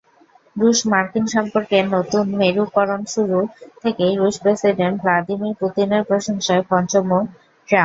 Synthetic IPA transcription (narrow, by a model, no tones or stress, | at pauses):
ɾuʃmaɾkinʃɔmpoɾkenot̪unmeɾukɔɾonʃuɾut̪ʰekeɾuʃpɾesiɖeɳʈ̚blad̪imiɾput̪ineɾpɾoʃoŋʃoekɔnt͡ɕomːo | ʈɾa